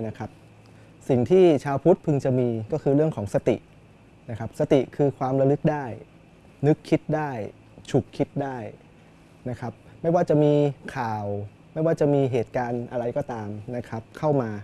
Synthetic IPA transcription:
na˦˥kʰa˦˥p̚ | si˨˩ŋt̪ʰiː˥˩t͡ɕʰaː˧wpʰu˦˥t̪̚pʰɯ˧ŋt͡ɕa˨˩miː˧kɔː˥˩kʰɯː˧ɾɯ˥˩əŋkʰɔː˩˦ŋsa˧t̪ḭ˨˩ʔ | na˦˥kʰa˦˥p̚sa˧t̪i˨˩kʰɯː˧kʰwaː˧mɾa˧lɯ˦˥k̚daː˥˩j | nɯ˦˥kʰːi˦˥t̪̚daː˥˩j | t͡ɕʰu˨˩kʰːi˦˥t̪̚daː˥˩j | na˦˥kʰa˦˥p̚ma˥˩jwaː˥˩t͡ɕa˨˩miː˧kʰaː˨˩w | ma˥˩jwaː˥˩t͡ɕa˨˩miː˧ɦeː˨˩t̪̚kaː˧nʔa˧ɾa˧jkɔː˥˩t̪aː˧mna˦˥kʰɾa˦˥p̚kʰa˥˩wmaː˧

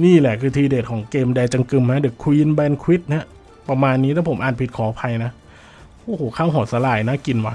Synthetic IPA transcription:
niː˥˩lɛ˨˩kʰɯː˧t̪ʰiː˧deː˨˩t̪̚kʰɔː˩˦ŋkeː˧mdɛː˧jt͡ɕa˧ŋkɯ˧mha˦˥dɯ˨˩˦kʰwiː˧nbɛː˧nkʰwi˦˥t̪̚na˦˥ | pa˧maː˧nːiː˦˥t̪ʰa˥˩pʰo˩˦mʔaː˨˩npʰi˨˩t̪̚kʰɔː˨˦pʰa˧jna˦˥ | ʔoː˧˩hoː˨˩˦kʰaː˥˩wɦɔː˨˩sa˧˦laː˨˩jna˦˥ki˧nwa˦˥˩

